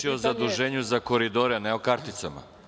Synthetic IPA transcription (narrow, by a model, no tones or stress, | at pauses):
iozad̪uʒeːɲuzako̞ɾid̪oɾɛneokaɾt̪it̪sama̰